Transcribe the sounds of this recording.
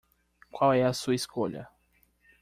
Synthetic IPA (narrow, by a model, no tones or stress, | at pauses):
kwawɛɐsuɐiskoʎɐ̰